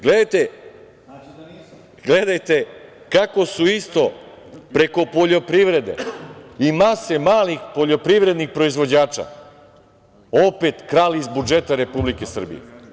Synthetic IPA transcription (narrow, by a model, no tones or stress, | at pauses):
ɡle̞d̪ajt̪e̞ | ɡled̪ajt̪e̞ | kako̞suist̪o̞ | pɾe̞ko̞po̞ʎo̞pɾiʋɾe̞d̪e̞̰imase̞maːlixpo̞ʎo̞pɾiʋɾe̞d̪nixpɾo̞izʋo̞d͡ʑaːt͡ʃa̰ | ope̞t̪kɾaːliizbud͡ʒe̞t̪aɾe̞publike̞sr̩bḭjḛ